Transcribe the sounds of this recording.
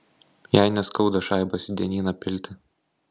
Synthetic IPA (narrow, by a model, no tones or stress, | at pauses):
jæɪnʲɛskɒʊd̪ɐʃɑˑɪbɐsʲd̪ʲɛnʲiːnɐpʲɪlʲˑt̪ʲɪ